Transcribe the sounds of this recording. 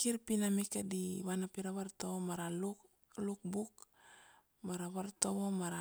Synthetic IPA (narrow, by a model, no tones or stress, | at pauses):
kiɾpinamikadiwanapiɾaβaɾtoomaɾalu | luk̚buk | maɾaβaɾtoβomaɾa